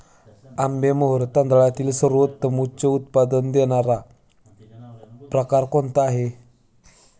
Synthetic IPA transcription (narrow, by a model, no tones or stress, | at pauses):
ambeməɦəɾt̪and̪aɭat̪iːlsəɾət̪ːəmut͡ɕəut̪̚pad̪ənd̪enaɾa | pɾəkaɾkont̪aɦe